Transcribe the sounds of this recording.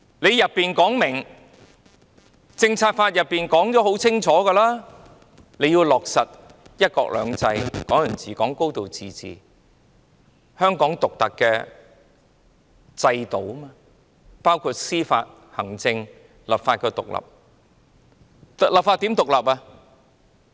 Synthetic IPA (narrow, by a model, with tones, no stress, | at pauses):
le˨˧jɐ˨pːiː˨˩nkɔː˨˥ŋmɪ˨˩ŋ | t͡sɪ˧ŋt͡sʰaː˧t̚faː˧t̚jɐ˨pːiː˨˩nkɔː˨˥ŋt͡sɔː˨˥ho˨˥wt͡sʰɪ˥ŋt͡ʃʰɔː˨˥ɡɛː˧laː˥ | le˨˧jiː˧wlɔː˨˩k̚sɐ˨t̚ | jɐ˥t̚kɔ̰ː˧k̚lœ̰ː˨˧ŋt͡sɐ˧jkɔː˨˥ŋjɵ˨˩nt͡siː˨kɔː˨˥ŋko˥wt̪o˨wt͡siː˨t͡sḭː˨˩ | hœː˥ŋkɔː˨˥ŋt̪ʊ˨k̚t̪ɐ˨kːɛː˧ | t͡sɐ˧jt̪o˨˩wmaː˧ | paː˥wkʰuː˧t̚siː˥fa̰ː˧t̚ | hɐ˨˩ŋt͡sɪ˧ŋ | lɐ˨p̚faː˧t̚kɛː˧t̪ʊ˨k̚lɐ̰˨˩p̚ | lɐ˨p̚faː˧t̪i˨˥mt̪ʊ˨k̚lɐ˨˩p̚a˧